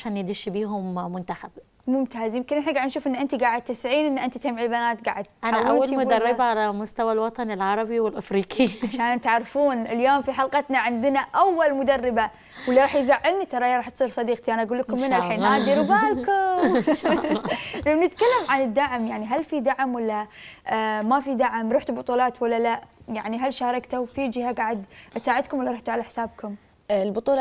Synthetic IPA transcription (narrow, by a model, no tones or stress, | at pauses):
aʃaːnjɪd̪iʃbiːɦʊmːʊnt̪axab̥̚ | mʊmt̪aːzjɪmkɪnʔɪħnaɡaʕd̪nʃuːfʔɪnːʔɪnt̪iɡaːʕɪd̪̚t̪ɪsʕiːnʔɪnːʔɪnt̪it̪amʕilbanaːt̪ɡa̰ːʕɪd̪̚t̪ʔanaawʔawːalmʊd̪arˤːɪbaʕalamʊst̪awalwɑt̪ˤɑnɪlʕɑɾˤɑbiwɪlʔɪfɾiːqʰiʕaʃaːnt̪aʕɾɪfuːnɪljoːmfiħɑlqɑt̪naʕɪnd̪ɪnaʔawːalmʊd̪arːɪba | wɪlːiɾˤɑːħjzaʕːɪlnit̪ɑɾˤɑʔjɑɾˤɑːħt̪sˤiːɾsˤɑd̪iːqt̪iʔanaʔaɡuːlːkʊmhɪnaħiːnʔaːd̪iɾɪbaːlkʊm | lamnɪt̪kalːamʕanɪd̪ːaʕmjaʕniɦalfid̪aʕmwalːa | mafid̪aʕmɾuːħt̪ubʊt̪ˤuːlɑːt̪wɪlːalaʔjaʕniɦalːʃaːɾˤɑkt̪awfid͡ʒɪhaɡaːʕad̪ʔsaːʕɪd̪kʊmwɪlːaɾˤuːħt̪uʕalaħsaːbkʊm | lbʊt̪ˤuːlɑ